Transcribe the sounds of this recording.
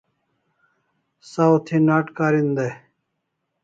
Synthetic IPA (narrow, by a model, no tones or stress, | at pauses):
sawt̪ʰinaːʈkaːɾind̪ɐ